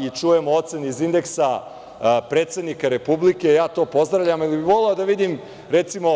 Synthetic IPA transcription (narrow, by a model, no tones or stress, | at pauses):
it͡ʂuje̞moot̪se̞neizind̪e̞ksa | pɾe̞ːt̪sed̪nikaɾe̞publike̞jaːt̪o̞ːpo̞zd̪ɾaʋʎʲamilibiʋo̞leod̪aʋid̪im | ɾet̪simo̞